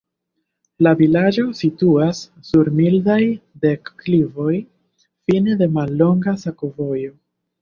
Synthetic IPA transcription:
lavilad͡ʒo̞situasː | uɾmildajde̞kːlivo̞j | fine̞de̞malːo̞ŋɡasakovo̞jo̞

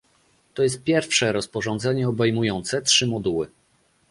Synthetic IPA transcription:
t̪ɔjɛst̪̚pʲjɛɾfʂɛɾɔspɔʐɔnd̪zɛɲɛɔbɛjmujɔnt̪sɛtʂɘmɔd̪uwɘ̰

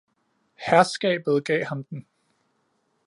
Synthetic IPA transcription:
hæɐsɡ̥ɛ̰ːb̥ð̞̩ˠɡ̥ɛ̰ːhɑ̈md̥n̩

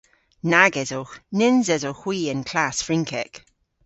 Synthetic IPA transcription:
naɡɛzonɪnzɛzoxw̥iːənkʰl̥asfɹɪ̃ŋkʰɛk

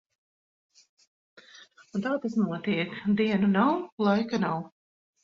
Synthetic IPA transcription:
ut̪aːt̪asnuɔt̪iɛkd̪iɛnunawlˠajkanaw

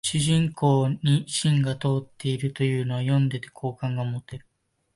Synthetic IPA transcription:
ɕɨʑĩŋkʰo̞ːɲ̟iɕĩŋɡat̪o̞ːt̪ːe̞iɾɯ̟t̪o̞jɯ̟ːno̞βajõ̞nd̪e̞t̪e̥kʰo̞ːkãŋɡamo̞t̪e̞ɾɯ̟

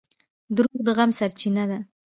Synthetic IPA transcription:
d̪ɾuɣd̪əɣamsaɾt͡ʃinad̪a

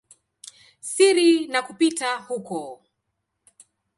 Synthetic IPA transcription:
siɾinakupitahukɔ

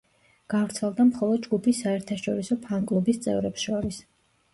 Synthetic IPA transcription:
ɡ̥avɾt̪sʰɛlˠd̪amχɔlˠɔd̪̚d͡ʒɡupʰisːaɛɾt̪ʰaʃɔɾisɔpʰaŋkʼlˠubist̪sʼɛ̰vɾɛpsʃɔɾis

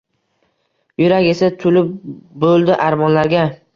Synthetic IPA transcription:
jʊɾakʲe̞sat̪ʰʊlɪp̚bolˠd̪ɪʔaɾmɒnlaɾɡʲa

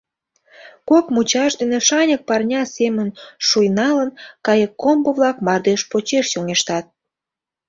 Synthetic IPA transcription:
kokmut͡ɕɑʃd̪eneʃɑnʲək̚pɑrnʲɑsemənʃujnɑlənkɑjəkːombəβlɑkmɑrd̪eʃpot͡ɕeʃjoŋeʃt̪ɑt̪̚

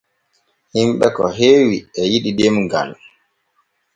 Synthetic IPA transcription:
himɓɛkɔɦeːwiɛjiɗidɛmɡa̰n

